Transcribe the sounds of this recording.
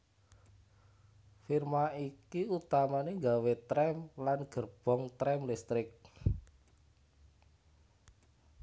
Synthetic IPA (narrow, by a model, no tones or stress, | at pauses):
firmaikiut̪amaneŋɡawet̪ɾɛmlanɡ̥ərb̥ɔ̤ŋt̪ɾɛmlist̪ɾɪk̚